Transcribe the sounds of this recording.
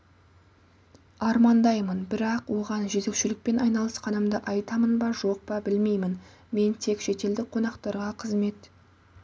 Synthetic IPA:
ɑɾmɑnd̪ɑjmənbɪɾɑqwo̞ʁɑnʒɵt̪e̞kʃɪlɪk̚pe̞nɑjnɑlˠəsqɑnəmd̪əʔɑjt̪ɑmənbɑʒo̞q̚pɑbɪlme̞jmɪn | me̞nt̪ʰe̞kʃe̞t̪e̞ld̪ɪqʰo̞nɑqt̪ɑɾʁɑqʰəzme̞t̪

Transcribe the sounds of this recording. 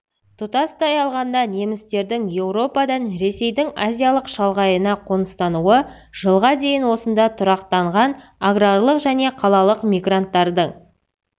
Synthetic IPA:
t̪ʰʊt̪ɑst̪ɑjɑlˠʁɑnd̪ɑne̞mɪst̪e̞ɾd̪ɪŋje̞wɾo̞pɑd̪ɑnɾe̞se̞jd̪ɪŋazʲijalˠəqʃɑlˠʁɑjənɑqʰo̞nəst̪ɑnuə | ʒ̥əlˠʁɑd̪e̞jɪnwo̞sənd̪ɑt̪ʰʊɾɑqt̪ɑɴʁɑnaɡrarlˠəqʒæne̞qʰɑlˠɑlˠəqmʲijɡrant̪ːɑɾd̪əɴ

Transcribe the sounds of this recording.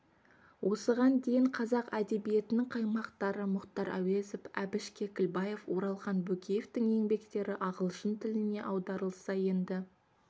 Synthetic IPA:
wʔo̞səʁɑnd̪ejɪɴqʰɑzɑqæd̪e̞bije̞t̪ɪnɪŋqʰɑjmɑqt̪ɑɾəmʊqt̪ɑɾʔæ̰wezofæbɪʃkʲe̞kʲɪlbɑje̞fwo̞ɾɑlˠχɑnbɵkʲʰejeft̪ɪŋe̞ŋbe̞kt̪e̞ɾɪʔɑʁəlˠʃənt̪ʰɪlɪne̞ʔɑwd̪ɑɾəlˠsɑje̞nd̪ɪ

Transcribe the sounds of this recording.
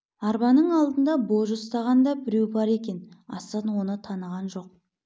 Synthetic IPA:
ɑɾbɑnəɴɑlˠd̪ənd̪ɑbo̞ʒost̪ɑʁɑnd̪ɑbɪɾewbɑɾe̞kʲe̞nɑ̰sɑnwo̞nət̪ʰɑnəʁɑnʒo̞q̚

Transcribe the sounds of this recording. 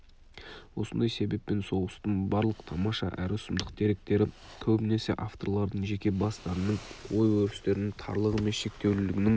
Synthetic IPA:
wo̞sənd̪ɑjse̞be̞pːe̞nso̞ʁəst̪ənbɑɾlˠəqt̪ʰɑmɑʃɑ̰ʔæ̰ɾɪʊsəmd̪əq̚t̪ʰe̞ɾe̞k̚t̪e̞ɾɪkʲʰɵbɪne̞sɪʔaft̪o̞̰ɾlˠɑɾd̪əɴʒe̞kʲe̞bɑst̪ɑɾənəɴwo̞jwɵɾɪst̪e̞ɾɪnɪŋt̪ʰɑ̰ɾlˠəʁəmenʃe̞k̚t̪e̞wlɪlɪɡʲɪnɪŋ

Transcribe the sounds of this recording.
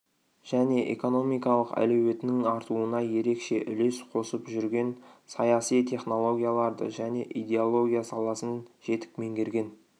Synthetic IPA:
ʒ̥æne̞ʔḛko̞no̞mijkɑlˠəqæ̰lɵwe̞t̪nɪŋɑɾt̪uənɑje̞ɾe̞kʃe̞ʔʏle̞sqʰo̞səpʒʏɾɡʲe̞nsɑjɑsijt̪ʰe̞χno̞lˠo̞ɡʲijalˠɑɾd̪ə̰ʒæne̞ʔid̪ʲe̞olˠo̞ɡʲijasɑlˠɑsənʒ̥e̞t̪ɪ̥kme̞ŋɡʲe̞ɾɡʲe̞n

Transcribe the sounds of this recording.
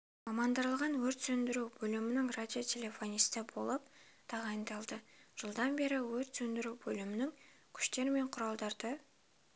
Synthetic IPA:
mɑmɑnd̪əɾəlˠʁɑnwɵɾt̪sɵnd̪ɪɾuwbɵlɪmɪnɪŋradʲio̞tʲʰe̞lʲe̞fo̞nʲist̪ɪbo̞̰lˠəp̚t̪ʰɑʁɑjnd̪ɑlˠd̪əʒ̥əlˠd̪ɑnbe̞ɾɪwɵɾt̪sɵnd̪ɪɾubɵlɪmɪnɪŋ | kʲʰʏ̥ʃt̪e̞ɾme̞ɴqʰʊɾɑlˠd̪ɑɾd̪ə

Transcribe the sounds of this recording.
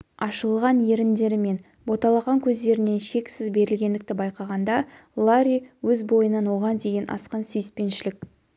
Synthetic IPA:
ɑʃəlˠʁɑnje̞ɾɪnd̪e̞ɾɪme̞n | bo̞t̪ɑlˠɑʁɑŋkʲʰɵzd̪e̞ɾɪne̞nʃe̞ksɪzbe̞ɾɪlɡʲe̞nd̪ɪk̚t̪ɪbɑjqɑʁɑnd̪ɑ | lˠaɾʲiwɵzbo̞jənɑnwo̞ʁɑnd̪e̞ɡʲe̞nʔɑ̰sqɑnsʏjɪspe̞nʃɪlɪk

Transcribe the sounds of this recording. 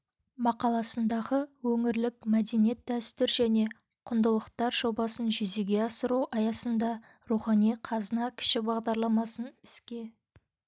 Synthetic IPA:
mɑqɑlˠɑsənd̪ɑʁəwɵŋɪɾlɪkmæd̪e̞nije̞t̪̚ːæst̪ɪɾʒæne̞ | qʰʊnd̪əlˠəqt̪ɑɾʒo̞bɑsənʒʏzeɡʲe̞ɑsəɾuwʔɑjɑsənd̪ɑ | ɾuχɑnijqʰɑzənɑkʲʰɪ̥ʃɪbɑʁd̪ɑɾlˠɑmɑsənɪskʲe̞

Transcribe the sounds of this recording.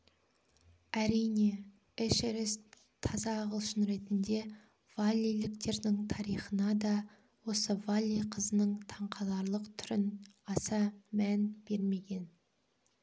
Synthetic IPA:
æɾijne̞ | ɪʃɪɾɪs | t̪ʰɑzɑːʁəlˠʃənɾe̞t̪ɪnd̪e̞ | v̥alʲːijlɪkt̪e̞ɾd̪ɪŋt̪ʰɑɾijχənɑd̪ɑ | wo̞səvalʲˠːijqʰəzənəɴt̪ʰɑɴqʰɑlˠɑɾlˠəqt̪ʰʏɾɪnɑsɑmænb̥e̞ɾme̞ɡʲe̞n

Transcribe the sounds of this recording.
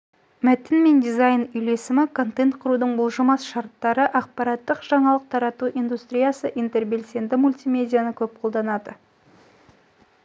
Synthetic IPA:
mæt̪ɪnme̞nd̪izajnʏjle̞sɪmɪkʰo̞nt̪e̞nt̪̚qʰʊɾud̪əɴbʊlˠʒəmɑsʃɑɾt̪ːɑɾəʔɑq̚pɑɾɑt̪ːəqʒ̥ɑɴɑlˠəq̚t̪ʰɑɾɑt̪uʔind̪ust̪ɾʲijasəʔijnt̪e̞rbe̞lse̞nd̪ɪmulʲt̪ijmʲe̞d̪ʲijanəkʲʰɵp̚qʰo̞lˠd̪ɑnɑd̪ə

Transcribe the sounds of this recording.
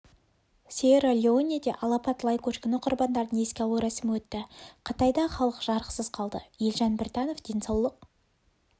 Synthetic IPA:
sʲeɾalʲeonʲied̪eʔɑlˠɑpɑt̪lˠɑjkoʃkʲɪnɪqʰʊɾbɑnd̪ɑɾd̪əɴe̞skʲeɑwəɾæsɪmɪwɵt̪ːɪqʰət̪ɑjd̪ɑχɑlˠəqʒ̥ɑɾqə̥səz̥qʰɑlˠd̪əjelʒɑnbɪɾt̪ɑno̞fd̪e̞nsɑwlˠəq̚

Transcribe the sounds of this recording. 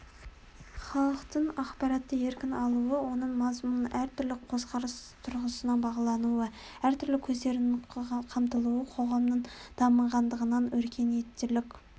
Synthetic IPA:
χɑlˠəqt̪əɴɑqpɑɾɑt̪ːəe̞ɾkʲɪnɑlˠuəwo̞nəɴmɑzmunəʔæɾt̪ʰʏɾlɪqʰo̞sqɑɾəst̪ʰʊɾʁəsənɑbɑʁɑlˠɑnuə | æɾt̪ʰʏɾlɪkʲʰɵzd̪e̞ɾɪnqʰɑmt̪əlˠuwəqʰo̞ʁɑmnəɴd̪̥ʰɑməɴʁɑnd̪əʁənɑnwɵɾkʲʰe̞net̪ːɪlɪkʲ

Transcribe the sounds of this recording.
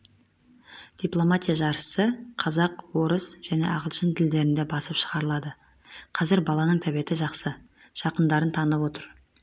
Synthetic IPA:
d̪̥ijplˠo̞mat̪ʲijaʒɑɾəsəqʰɑzɑqwo̞ɾəsʒ̥æne̞̰ʔɑʁəlˠʃənt̪ʰɪld̪e̞ɾɪnd̪e̞bɑsəpʃəʁɑɾəlˠɑd̪ə | qʰɑzɪɾbɑlˠɑnəɴt̪ʰæbe̞t̪ɪʒɑqsəʒ̥ɑqənd̪ɑɾənt̪ʰɑnəpwo̞t̪əɾ

